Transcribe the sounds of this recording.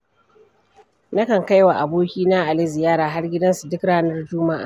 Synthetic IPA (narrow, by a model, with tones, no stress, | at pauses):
na˦kɐ˨ŋka˦jwa˨ʔa˨boː˦kʲiː˦na˦ʔa˨lɪ˦zɪ˨jaː˦ɾaː˨ɦa˦rɡʲɪ˦dɐ˦nsu˨dɪ˦kɽaː˦nɐ˦rd͡ʒʊː˦ma˦ʔa̰ː˨